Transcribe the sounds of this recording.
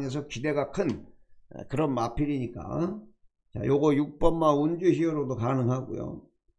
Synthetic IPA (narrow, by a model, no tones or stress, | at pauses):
nesʰʌkide̞ɡakʰɯn | kɯɾʌnmapʰiɾiɲik͈a̰ | t͡ɕa̰joɡʌjuk̚p͈ʌmːaund͡ʑuɕiʌɾodokanɯŋɦaɡṵjo̰